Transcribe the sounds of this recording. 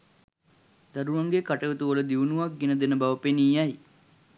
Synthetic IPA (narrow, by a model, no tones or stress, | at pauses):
d̪aɾuʋaŋɡekaʈəʋət̪uʋələd̪iʋunuʋak̚ɡenəd̪enəbaʋəpeniːjaj